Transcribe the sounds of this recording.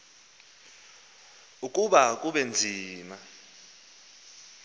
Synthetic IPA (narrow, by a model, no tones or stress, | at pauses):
ukʼuɓak̬ʼuɓɛnd͡zʱiːma